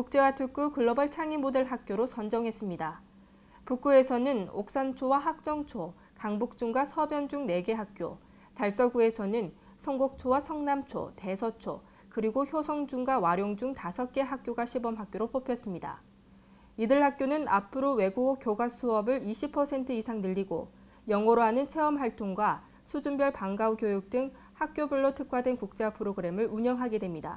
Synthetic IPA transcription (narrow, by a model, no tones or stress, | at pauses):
kuk̚t͡ɕ͈e̞watʰuk͈ukɯɭːʌbʌɭt͡ɕʰaŋibodeɭɦak̚k͈joɾosʰʌnd͡ʑʌŋɦe̞s͈ɯmɲida | puk͈ue̞sʰʌnɯno̰k̚s͈ant͡ɕʰowaɦak̚t͡ɕ͈ʌŋt͡ɕʰo | kaŋbuk̚t͡ɕuŋɡwasʰʌbjʌnd͡ʑuŋne̞ɡe̞ɦak̚k͈jo | taɭs͈ʌɡue̞sʰʌnɯn | sʰʌŋɡok̚t͡ɕʰowasʰʌŋnamt͡ɕʰo̰te̞sʰʌt͡ɕʰo̰ | kɯɾiɡoçjosʰʌŋd͡ʑuŋɡwawaɾjoŋd͡ʑuŋtasʰʌk͈e̞ɦak̚k͈joɡaɕʰibʌmɦak̚k͈joɾopʰopʰjʌs͈ɯmɲida̰ | idɯɭhak͈̚jonɯnapʰɯɾowe̞ɡuɡokjoɡasʰuʌbɯɭiɕʰipʰʌsʰe̞ntʰɯisʰaŋnɯʎːiɡo̰ | jʌŋʌɾoɦanɯnt͡ɕʰe̞ʌmɦaɭtʰoŋɡwa | sʰud͡ʑumbjʌɭpaŋɡaukjojuk̚t͈ɯŋ | hak̚k͈jobuɭːotʰɯkʰwadwe̞nkuk̚t͡ɕ͈eapʰɯɾoɡɯɾe̞mɯɭuɲʌŋɦaɡe̞dwemɲida̰